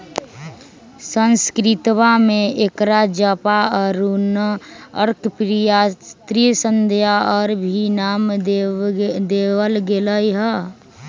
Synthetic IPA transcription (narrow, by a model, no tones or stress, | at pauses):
sə̃nskɾɪt̪wamẽekɾad͡ʒəpaɔːɾunəɾkpɾijast̪ɾisə̃nd̪ʱjaɔːɾbʱinaːm | d̪eːwəlɡeləiɦɛ